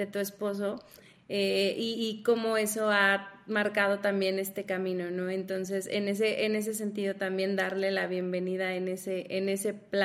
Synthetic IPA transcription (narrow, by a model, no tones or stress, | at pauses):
et̪ue̞spo̞s̬o̞ | eiːko̞mo̞e̞so̞amaɾkað̞o̞t̪ambje̞ne̞st̪e̞kamĩno̞no̞ẽ̞nt̪o̞ns̬e̞sḛne̞s̬e̞ʔene̞s̬e̞s̬e̞nt̪iðo̞t̪ambje̞nd̪aɾle̞laβ̞je̞mbe̞nið̞aene̞seʔene̞se̞pla